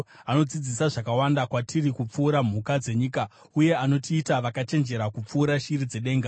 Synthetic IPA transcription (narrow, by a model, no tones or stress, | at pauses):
ano̞d͡zid͡zisaʐakawandakwatʰirikup͡fuːɾam̤ukad͡ze̞ɲiːka | uje̞ano̞tiːtaʋakat͡ʃe̞nd͡ʒe̞ɾakup͡fuːɾaʃirid͡ze̞ɗe̞ːŋɡa